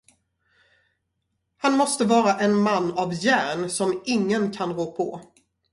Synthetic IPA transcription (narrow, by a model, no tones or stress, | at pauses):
hanmɔst̪əvɑːɾaʔɛnmanːavjæːɾɳsɔmɪŋːənkʰanɾoːpʰɔ̰